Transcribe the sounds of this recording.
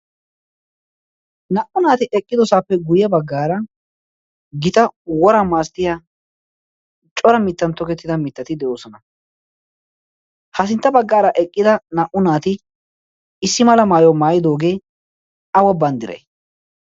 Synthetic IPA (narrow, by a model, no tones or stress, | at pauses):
nɐʔʊnaːt̪ɪʔɛkʼːɪd̪ɔsaːpːɛɡʊjɐbɐɡːaːɾɐ | ɡɪt̪ɐwɔɾɐmaːst̪ɪja | t͡ʃʼɔɾɐmɪt̪ːɐnt̪ːɔkɛt̪ːɪd̪ɐmɪt̪ːɐt̪ɪd̪ɛʔo̞ːsɔnɐ | hɐs̬ɪnt̪ːɐbɐɡːaːɾɐʔɛkʼːɪd̪ɐnɐʔʊnaːt̪ɪ | ɪsːɪmɐlɐmaːjɔmaːjɪd̪o̞ːɡe̞ː | ɐwɐbɐnd̪ɪɾɐ̰j